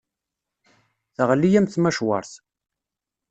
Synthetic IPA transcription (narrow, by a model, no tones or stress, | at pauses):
θəʁlːijæmθmæʃwɑ̰ɾˤθ